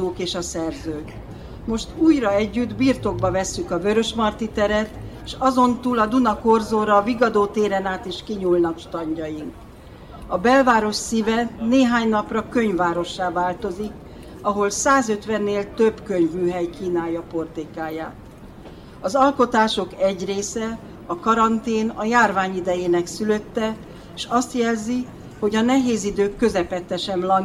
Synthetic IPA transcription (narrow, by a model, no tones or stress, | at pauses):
oːkeːʃɒsɛrzøːk | mo̞ʃt̪uːjrɒɛɟːyd̪biːrt̪o̞ɡ̚bɒvɛsːykɒbø̞ɾø̞ʃmɒrt̪it̪ɛɾɛt̪eːʃɒzo̞nt̪uːlɒd̪unɒko̞rzoːɾɒviɡɒd̪oːt̪eːɾɛnaːt̪iʃkiɲuːlnɒkʃt̪ɒɲɟɒjiŋk | ɒbɛlvaːɾo̞ʃsivɛneːɦaːɲnɒprɒkø̞ɲvːaːɾo̞ʃːaːvaːlt̪o̞zik | ɒɦo̞lsaːzø̞t̪ʋɛnːeːlt̪øbkøɲvmyːɦɛjkiːnaːjɒpo̞rt̪ekaːjaːt̪ | ɒzɒlko̞t̪aːʃo̞kɛɟreːsɛ | ɒkɒɾɒnt̪eːnɒjaːrvaːɲid̪ɛjeːnɛksylø̞t̪ːɛ | eʃɒst̪jɛlzi | ho̞ɟɒnɛɦeːzid̪øːkːø̞zɛpɛt̪ːɛʃɛmlɒn